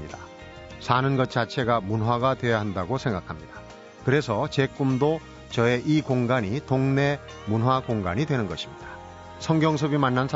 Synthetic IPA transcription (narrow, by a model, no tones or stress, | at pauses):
ida | sʰanɯnɡʌt̚t͡ɕ͈at͡ɕʰe̞ɡamunɦwaɡatwe̞jaɦandaɡosʰe̞ŋɡakʰamɲid̥ḁ | kɯɾe̞sʰʌt͡ɕe̞k͈umdo | t͡ɕʌe̞ʔikoŋɡaɲitoŋne̞ | munɦwakoŋɡa̰ɲidwe̞nɯnɡʌɕʰimɲid̥ḁ | sʰʌŋɡjʌŋs̬ʰʌbimanːansʰ